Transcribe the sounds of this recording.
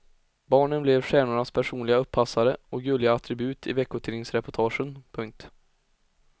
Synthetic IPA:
bɑːɳənblɛvʂɛːnʊɳaspʰæʂuːnlɪɡaɵpʰːasaɾəɔkɡɵlɪaat̪ʰɾɪbʉ̟ːt̪ʰɪvɛkːʊt̪ʰɪːnɪŋsɾɛpɔʈʰɑːʂənpʰɵŋk̚t̪

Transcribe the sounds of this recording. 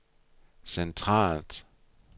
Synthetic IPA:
sentʰʁɑ̰ːld̥

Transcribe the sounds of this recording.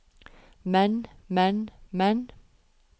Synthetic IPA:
mɛnmɛnmɛn

